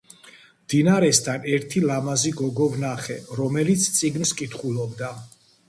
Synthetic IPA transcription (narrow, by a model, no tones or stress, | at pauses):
md̪̥inaɾɛst̪ʰanɛɾt̪ʰilamaziɡɔɡɔvnaχɛɾɔmɛlit̪sʰt̪sʼiɡnskʼit̪ʰχulˠɔbd̪a